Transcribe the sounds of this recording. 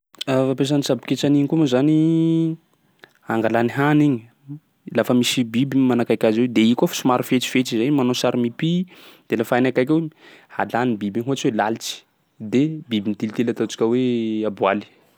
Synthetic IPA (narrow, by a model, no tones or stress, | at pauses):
afapes̬anisabi̥ket͡saniɲikumazani | aŋɡalaniɦaniɲi | lafəmisibibimanakakʲazwed̪eikofḁsumaɾufet͡si̥fet͡sizeɲimanosaɾimipid̪̥elafanakajkewehalanibibiɦuat͡siwelalit͡ʃi̥ | d̪ebibint̪ilit̪elat̪ot͡ʃi̥kʲəweabuali̥